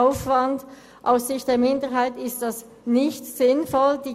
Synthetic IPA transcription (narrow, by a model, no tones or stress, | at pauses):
ʊfv̥and | ʔaʊsɪçt̚d̥eːɐmɪndəɦaɪtɪstd̥as | nɪçtsɪnfɔld̥iː